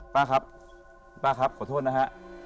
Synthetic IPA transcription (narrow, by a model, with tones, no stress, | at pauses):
paː˧˩kʰa˦˥p̚ | paː˧˩kʰa˧˦˥p̚ʰːt̪ʰoː˥˩t̚na˦˧kʰa˦˥ʔ